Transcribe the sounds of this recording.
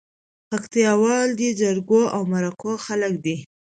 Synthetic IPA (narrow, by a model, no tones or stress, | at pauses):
pakt̪ijɑwɑld̪əd͡ʒaɾɡoawmaɾakoxalək̚d̪i